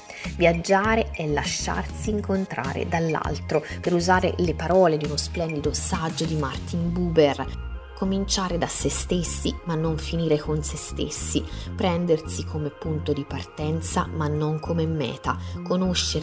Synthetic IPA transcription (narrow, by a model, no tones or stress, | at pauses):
vjad͡ʒːaːɾeʔɛlːaʃːa̰rsiːŋkont̪ɾa̰ːɾḛd̪alːa̰lt̪ɾopeɾuzaːɾḛlepaɾɔːled̪iunosplɛnd̪id̪osad͡ʒːod̪imart̪imbuːber | komint͡ʃaːɾed̪asest̪esːimanːoɱfiniːɾekonsest̪ḛsːipɾɛnd̪ersikʰomepːunt̪od̪ipart̪ɛnt̪sa̰manːoŋkʰomemɛ̰ːt̪akonoʃːe